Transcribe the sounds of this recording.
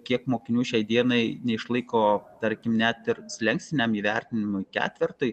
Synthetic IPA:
kʲiɛkmoːkʲɪnʲuːʃʲɛɪd̪ʲiɛnɐɪnʲɛɪʃlˠɐɪkoːt̪ɐɾʲkʲɪmnʲæt̪ɪɾsʲlʲɛŋksʲt̪ʲɪnʲɛmiːʋʲɛɾʲt̪ʲɪnʲɪmʊɪkʲæ̰ːt̪ʲʋʲɪɾt̪ɐɪ

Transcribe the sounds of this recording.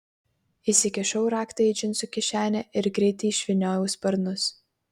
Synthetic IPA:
isʲɪkʲɛʃɒʊɾɑːkt̪ɐɪd͡ʒʲɪnt̪sʊkʲɪʃʲæːnʲɛʔɪɾɡɾʲɛɪt̪ʲɛʃʲʋʲɪnʲoːjɛʊspɐɾnʊs

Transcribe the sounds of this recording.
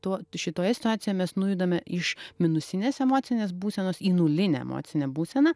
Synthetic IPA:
t̪oːʃʲɪt̪oːjɛsʲɪ̥t̪ʊaːt̪ʲɪjojɛmʲɛsnʊjud̪ɐmʲɛɪʃmʲɪnʊsʲɪnʲeːsɛmoːt̪sʲɪnʲeːsbuːsʲɛnoːsiːnʊlʲɪnʲɛ̰ɛ̰mo̰ːt̪sʲɪnʲɛbuːsʲɛnɐ

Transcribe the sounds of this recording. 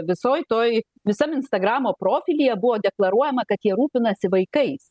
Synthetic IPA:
ʋʲɪsoːjt̪oːj | ʋʲɪsɐmɪnst̪ɐɡɾɑːmoːpɾoːfʲɪlʲijɛbʊʋoːd̪ʲɛklˠɐɾuɔjɛmɐkɐt̪jiɛɾuːpʲɪnɐsʲɪʋɐɪkɐɪs

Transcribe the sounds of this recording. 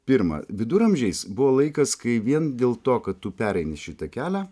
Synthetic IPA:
pʲɪɾmɐ̰ʋʲɪd̪ʊɾɐmʲʒʲɛɪsbʊʋoːlˠɐɪkɐskɐɪʋʲiɛnd̪ʲeːlˠt̪oːkɐt̪tʊpʲæːɾɛɪnʲɪʃʲɪt̪ɐkʲæːlʲæː

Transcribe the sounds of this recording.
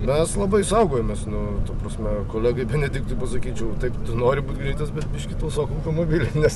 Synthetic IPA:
mʲɛslˠɐbɐɪsɐʊɡoːjomʲesnʊt̪ɐpɾɐsʲmʲɛkoːlʲæːɡɐɪbʲɛnʲɛd̪ʲɪk̚t̪ʊɪpɐsɐkʲiːt͡ʃʲɛʊt̪ɐɪpt̪ʊnoːɾʲɪbuːt̪ʲɡɾʲɛɪt̪ɐsbʲɛt̪bʲɪʃʲkʲɪt̪oʋsoːkoɐʊt̪omoːbʲiːlʲenʲɛs

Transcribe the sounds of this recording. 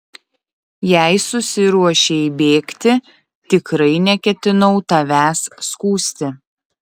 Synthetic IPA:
jæɪsʊsʲɪɾuɔʃʲeibʲeːkt̪ʲɪ | t̪ʲɪkɾɐɪnʲɛkʲɛt̪ʲɪnɐʊt̪ɐʋʲæːsːkuːsʲt̪ʲɪ

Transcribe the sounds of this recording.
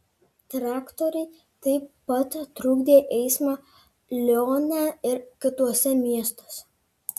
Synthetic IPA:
t̪ɾɑːkt̪ɔɾʲɛɪ | t̪ɐɪpːɐt̪ːɾuːɡd̪ʲeːʔɛɪsmɑː | lʲɔnʲæɪɾkʲɪt̪uɔsʲɛmʲiɛst̪oːsʲɛ

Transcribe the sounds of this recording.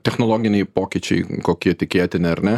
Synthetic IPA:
t̪ʲɛxnolˠoːɡʲɪnʲɛɪpoːkʲɪt͡ʃʲɛ̰ɪkoːkʲiɛt̪ʲɪkʲeːt̪ʲɪnʲɪɐɾnʲɛ

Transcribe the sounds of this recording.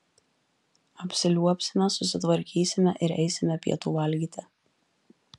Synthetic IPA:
ɐpʲsʲɪlʲuɔpʲsʲɪmʲɛsʊsʲɪt̪ʋɐɾʲkʲiːsʲɪmʲɛʔɪɾɛɪsʲɪmʲɛpʲḭɛt̪uːʋɐlʲɡʲiːt̪ʲɪ

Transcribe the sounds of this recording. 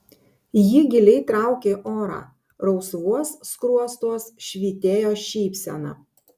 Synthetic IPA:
jɪɡʲɪlʲɛɪt̪ɾɑˑʊkʲeːʔoːɾɑ̰ː | ɾɒʊsʋuɔsːkɾuɔst̪uɔsʃʲʋʲiːt̪ʲeːjoːʃʲiːpʲsʲɛ̰nɑ̰ː

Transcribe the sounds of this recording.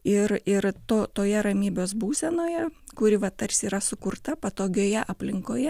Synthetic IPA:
ɪɾɪɾt̪oːt̪oːjɛɾɐmʲiːbʲoːsbuːsʲɛnoːjɛ | kʊɾʲɪʋɐt̪ɐrʲsʲiːɾɐsʊkʊrt̪ɐpɐt̪oːɡʲoːjɛʔɐpʲlʲɪŋkoːjɛ

